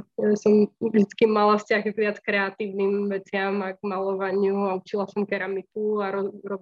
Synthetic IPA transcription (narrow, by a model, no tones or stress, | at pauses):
jasɔmʒd̪it͡skimalafscaɣɡʋɪat͡skɾɛat̪iːʊnimʋɛt͡sɪamaɡmalɔʋaɲɪuaut͡ʃilasɔmkɛɾamit̪uaɾɔɾɔ